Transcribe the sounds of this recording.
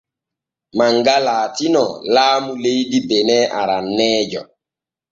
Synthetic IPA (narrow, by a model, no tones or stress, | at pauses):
maŋɡalaːtinɔlaːmulejdibenɛʔaɾanːɛːd͡ʒɔ